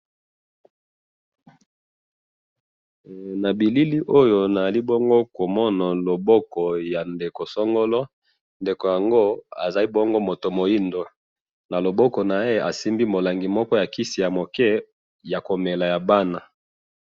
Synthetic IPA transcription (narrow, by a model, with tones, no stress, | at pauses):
na˨bi˨li˦li˦ʔo˦jo˨na˨za˨li˦bo˦ŋɡo˦ko˨mɔ˦na˨lo˨bɔ˦kɔ˨ja˨nde˨ko˨sɔ˦ŋɡo˦lɔ˦ | nde˨ko˨ja˨ŋɡo˦a̰˨za˨li˦bo˦ŋɡo˦mo˨to˨mo˨ji˦ndo˨ | na˨lo˨bɔ˦kɔ˨na˨e˦a˨si˦mbi˦mo˨la˨ŋɡi˨mɔ˦kɔ˦ja˨ki˦si˨ja˨mo˨kɛ˦ | ja˨ko˨me˨la˨ja˨ba˦na˨